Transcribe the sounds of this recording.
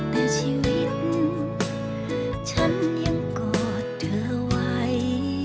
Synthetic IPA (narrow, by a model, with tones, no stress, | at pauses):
t̪a˧˩t͡ɕʰi˧˥wi˦˥t̪̚ | t͡ɕʰa˧˥nːi˧˥ŋkɔː˨˩˨ | tɯ˨˩əwa˧˥j